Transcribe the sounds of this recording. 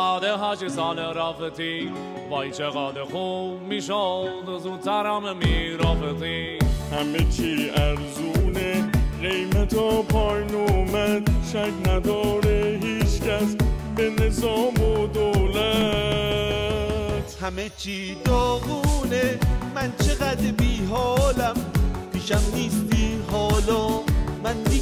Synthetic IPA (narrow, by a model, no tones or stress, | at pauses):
ɑːd̪eɦɑːt͡ʃesɑːleɾɑːfet̪ʰi | bɑːjit͡ʃeɣɑːd̪exomiʃod̪zuːd̪sæɾɑːmemiɾɑːfet̪ihæmet͡ʃʰiæɾzuneɢejmæt̪ʰɔpʰɒːjnoːmæd̪ʃækʰnæd̪ɒːɾeɦiːt͡ʃcæsbenezɒːmod̪oːwlæ | t̪hæmet͡ʃʰiː | d̪oɣuneːænt͡ʃʰeɣæd̪ɾbiːɦɒɔːlæmpʰiːʃæmniːst̪iːɦɒːlɒːmænd̪i